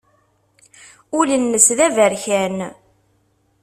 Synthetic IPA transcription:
ʊlənːəsðævəɾçæn

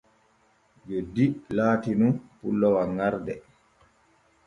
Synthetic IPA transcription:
d͡ʒodilaːtinunpulːɔwaŋaɾdɛ

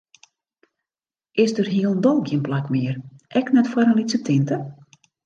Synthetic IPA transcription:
ʔɪsdərɦiəlˠəndolˠɡiənplakmɪərʔɛknɛtfwaɾənlitsətʰɪntə

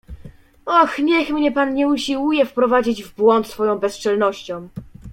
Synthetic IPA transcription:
ɔxɲɛxmɲɛpanɲɛuɕiwujɛfpɾɔvad͡ʑid͡ʑvbwɔnt̪sfɔjɔ̃w̃bɛst͡ʂɛlnɔɕt͡ɕɔ̃w̃

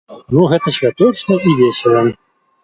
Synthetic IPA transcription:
nuɣɛt̪ɐsʲvʲat̪ɔt͡ʂnɐivʲesʲɐlˠɐ

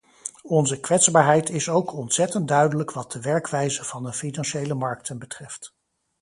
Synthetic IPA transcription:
ɔnzəkʋɛtzbaːɹɦɛjtʰɪsowkʰɔntsɛtəndœɥdələkʋɑt̚dəʋɛɹkʋɛjzəv̥ɑnəfinɑnʃejləmɑɹk̚tʰənbətrɛft

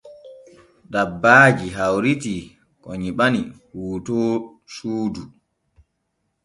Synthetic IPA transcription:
dabːaːd͡ʒiɦawɾiti | kɔ̰ɲiɓanihuːtɔː | suːdu

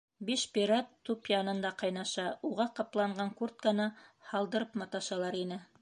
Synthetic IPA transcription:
biʃpʲiɾat̪ːupjɑnɤ̆nd̪ɑqɑjnɑʃɑuʁɑqɑplˠɑɴɢɑŋkuɾt̪̚kɑnɤhɑlˠd̪ɤ̆ɾɤpmɑt̪ɑʃɑlˠɑɾinɘ

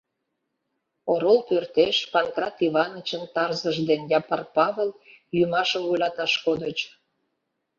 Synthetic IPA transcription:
oɾolpørt̪eʃpɑnkrɑt̪iβɑnət͡ɕənt̪ɑrzəʒd̪enjɑpɑrpɑβel | jymɑʃəmvojlɑt̪ɑʃkod̪ət͡ɕ

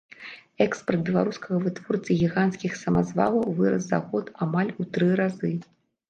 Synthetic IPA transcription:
ɛkspɐrd̪̚bʲɛlˠaɾuskɐɣɐvɨt̪vɔrt̪sɨɣʲiɣanskʲixsɐmazva̰lˠɐwvɨɾɐsza̰ɣɔt̪amalʲut̪ɾɨɾazɨ

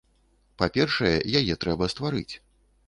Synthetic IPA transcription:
papʲɛrʂɐjɛ̰jajɛt̪ɾɛbɐst̪vaɾɨ̰t͡sʲ

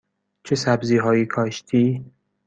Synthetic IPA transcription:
t͡ʃʰesæbziːɦɒːjiːkʰɒːʃt̪ʰiː

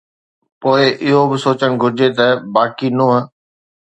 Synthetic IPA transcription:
poːɪʔɪɦobɪsoːt͡ɕəɽ̃ɡʱʊɾd͡ʑet̪ɐbaːkinũːɦə̃

